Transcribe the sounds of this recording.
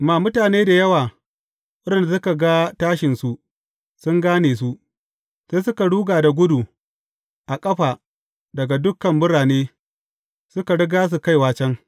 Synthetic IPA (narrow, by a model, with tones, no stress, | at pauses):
maː˨mʊ˦taː˨neː˦da˨jɐ˦waː˨ | ʔʊ˦ɽɪ˨nda˨s̬ʊ˦ka˨ɡa˦taː˦ʃɪ˨nsu˨ʔ | sʊ˦ŋɡaː˦neː˨s̬u˦ʔ | seː˦sʊ˦ka˨ɽuː˦ɡaː˨da˨ɡʷʊ˦du˨ | ʔa˨kʼɐ˦ɸaː˨ | dɐ˨ɡa˨dʊ˦kːɐ˨mbʊ˦ɽaː˨neː˦ | sʊ˦ka˨ɽɪ˦ɡaː˦s̬u˨ka˦jwaː˦t͡ʃɛ˦ŋ